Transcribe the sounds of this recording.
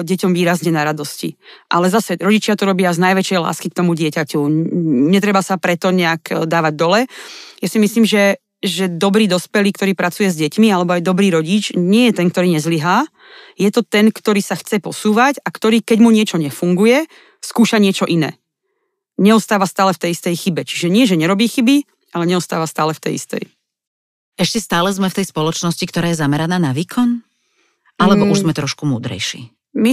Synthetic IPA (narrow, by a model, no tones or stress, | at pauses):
ɟɛcɔmʋiːɾazɲɛnaɾad̪ɔscḭʔalɛzasɛɾɔɟit͡ʃɪat̪ɔɾɔbɪaznajʋɛt͡ʃjɛjla̰ːskik̚t̪ɔmuɟɪɛcacuɲɛt̪ɾɛbasapɾɛt̪ɔɲɛakd̪aːʋaɟ̚d̪ɔlɛjasimisliːmʒɛ | ʒɛd̪ɔbɾiːd̪ɔspɛliːk̚t̪ɔɾiːpɾat͡sujɛzɟɛcmialɛbɔajd̪ɔbɾiːɾɔɟit͡ʃɲɪɛjɛt̪ɛnkt̪ɔɾiːɲɛzliɦaː | jɛt̪ɔt̪ɛnkt̪ɔɾiːsaxt͡sɛpɔsuːʋacakt̪ɔɾiːkɛɟmuɲɪɛt͡ʃɔɲɛfuŋɡujɛ | skuːʃaɲɪɛt͡ʃɔʔinɛ̰ː | ɲɛɔst̪aːʋast̪aːlɛft̪ɛjist̪ɛjxibɛt͡ʃi̥ʒɛɲɪɛʒɛɲɛɾɔbiːxibi | ʔalɛɲɛɔst̪a̰ːʋast̪aːlɛft̪ɛ̰jḭst̪ɛ̰j | ɛʃcɛst̪aːlɛzmɛft̪ɛjspɔlɔt͡ʃnɔscikt̪ɔɾaːjɛzamɛɾanaːnaʋiːkʰɔn | ʔalɛbɔuʒzmɛt̪ɾɔʃkumuːd̪ɾɛ̰jʃḭː | mi